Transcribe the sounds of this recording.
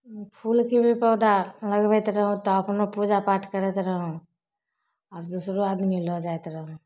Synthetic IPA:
pʰuːlkibʱipɔːd̪alɐɡʋɛːt̪ɾɐɦõt̪oɐpnopuːd͡ʒapaːʈkɐɾet̪ɾəɦõ | ɔːɾd̪uːsɾoaːd̪milod͡ʒaːet̪ɾɐɦõ

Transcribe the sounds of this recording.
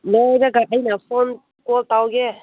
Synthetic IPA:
nəjdaɡaʔəjnapʰɔn | kɔltawɡɛ

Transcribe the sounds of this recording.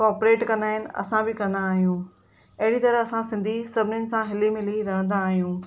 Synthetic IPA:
kɔːɾpɾeːʈkɐ̃nd̪aːɦɪnɪ̆ɐ̰sãbɪkɐ̃nd̪aːɦijũ | ɐɦɪɽit̪ɐɾəɐsãsɪ̃nd̪ʱisɐbʱɪnjʊnɪ̆sãɦɪlimɪ̃liɾɐɦə̃nd̪aːɦijũː

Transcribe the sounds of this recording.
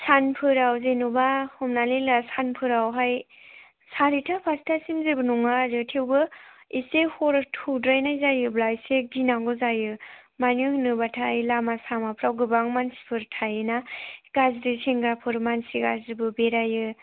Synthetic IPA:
sanpʰɯɾawzenubahɔmnalinlasanpʰɯɾawɦaj | saɾitʰapʰastʰasimzebɯnuŋazɯtʰewbɯisehɔɾtʰudɾajnajzajɯblajseɡinaŋɡɔzajɯ | manɯhɯnɯbatʰajɯlamasamapʰɾawɡɯbaŋmansi̥pʰɯɾtʰajɯnaɡazɾiseŋɡɾapʰɯɾmansiɡazɾibɯbeɾajɯ

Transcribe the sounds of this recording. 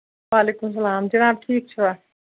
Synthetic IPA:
ʋaːleːkums̬ɐlaːmd͡ʒɐnaːb̚ʈʰiːk̚t͡ʃʰua

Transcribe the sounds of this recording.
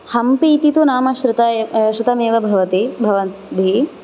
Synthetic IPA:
hɐmpiːt̪it̪unaːmɐʃɾɪt̪ɐʃɾɪt̪ɐmeːʋɐbʱɐʋɐt̪ibʱɐʋɐnbʱi

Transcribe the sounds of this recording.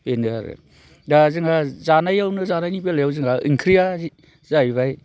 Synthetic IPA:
enɯaɾɯ̰ | dazɯŋazanajawnɯzanajnibelajawzɯŋaḭŋkʰɾija | zajβaj

